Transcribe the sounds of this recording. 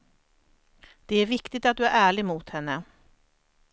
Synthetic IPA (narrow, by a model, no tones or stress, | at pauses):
d̪̥ɛæɾvɪkt̪ɪɡ̚t̪at̪̚d̪ɵæɾæːɭɪɡmuːt̪hɛnːə